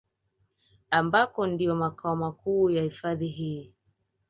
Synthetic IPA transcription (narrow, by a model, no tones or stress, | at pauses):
ambakɔndijɔmakaɔmakuːjahifaðiɦiː